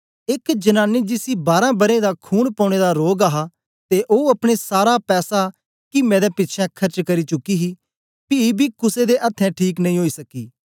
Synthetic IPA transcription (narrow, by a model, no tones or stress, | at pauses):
ɪkd͡ʒənaːnːid͡ʒɪsibaːɾãbɐɾẽd̪akʰuːnpɔ̃ːɽ̃eːd̪aɾoːɡaɦaː | t̪eʔoːɐpɽ̃esaːɾapɛːsa | kimɛ̃ːd̪ɛpɪtːt͡ʃʰɛ̃kʰɐɾt͡ʃkɐɾit͡ʃʊkːiɦiː | pibʱiːkʊsed̪eʔɐt̪ʰːɛ̃ʈʰiːknɐ̃ĩːɦoːisɐkiː